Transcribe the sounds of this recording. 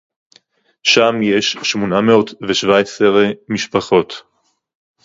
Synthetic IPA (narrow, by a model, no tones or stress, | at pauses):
ʃamjeʃʃmonameo̞tveʃvaeseʁmiʃpaχo̞t̪